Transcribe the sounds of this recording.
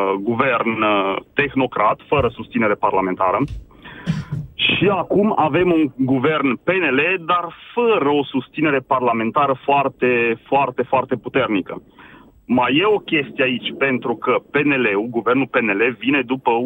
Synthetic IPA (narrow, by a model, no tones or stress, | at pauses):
ɡuve̞rnt̪e̞xno̞kɾat̪fəɾəsust̪sine̞ɾe̞parlame̞nt̪aɾə | ʃiakumave̞muŋɡuve̞rnpe̞ne̞le̞d̪arfəɾəo̞sust̪sine̞ɾe̞parlame̞nt̪aɾəfoart̪e̞foart̪e̞foart̪e̞put̪e̞rnikə | maje̞o̞kʲe̞st̪ijeait͡ʃʲpe̞nt̪ɾukəpe̞ne̞le̞uɡuve̞rnulpe̞ne̞le̞vine̞d̪upə